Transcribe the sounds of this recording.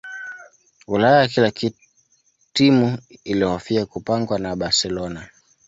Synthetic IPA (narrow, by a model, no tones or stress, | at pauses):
ulajajakilaki | timuiliɔhɔfiakupaŋɡwanaɓaɾsɛlɔna